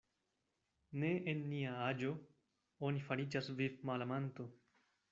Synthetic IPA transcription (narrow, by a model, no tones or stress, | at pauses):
ne̞enːiaad͡ʒo̞ | onifaɾid͡ʒasvivmalamant̪o